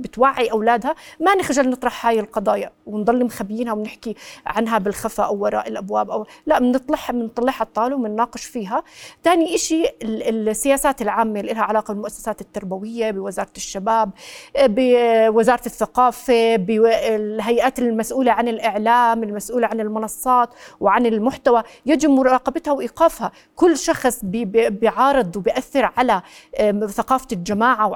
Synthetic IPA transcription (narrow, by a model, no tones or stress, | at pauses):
bɪt̪waʕːiʔawlaːd̪hamanɪxʒalnɨt̪ˤɾˤɑħhaːjɪlqɑd̪ˤɑːjɑwɪnd̪ˤɑlːimxabjiːnhawnɪħkiʕanɦabɪlxafaʔawːɑɾˤɑ̰ːʔɪlʔabwaːbʔawlaʔmnɨt̪ˤlħmɪnt̪ˤːɑlːɪħhɑt̪ˤːɑːlɪwmɪnːɑːqɨʃfiːɦat̪aːniʔɪʃilsːɪjaːsaːt̪ɪlʕaːmːelʔɪlhaʕalaːqɑbɪlmʊʔasːḁsaːt̪ɪt̪ːɑɾˤbawɪjːabɪwɪzɑːɾˤɑt̪ɪʃːabaːb̚bɪwɪzɑːɾˤɑt̪ɪθːaqɑːfebɪɦajʔaːt̪ɪlmasʔuːlaʕanɪlʔɪʕlaːmɪlmasʔuːlaʕanɪlmʊnɑsˤːɑːt̪wʕanɪlmʊħt̪awajad͡ʒɪmmʊɾˤɑːqɑbɪt̪hawʔiːqaːfha | kʊlːʃɑxsˤbbɪʕɑːɾˤɨd̪ˤwbɪjʔaθːɪɾʕala | θaqɑːfald͡ʒamaːʕaw